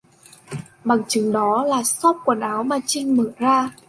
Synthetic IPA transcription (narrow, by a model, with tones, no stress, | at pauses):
ɓa˨˩ŋt͡ɕɨ˨˦ŋɗɔ˨˦laː˨˩sɔ˦˥p̚ku˧˩ənʔaː˨˦wmaː˨˩t͡ɕï˧ŋ̟mə̰ː˧˩˨zaː˧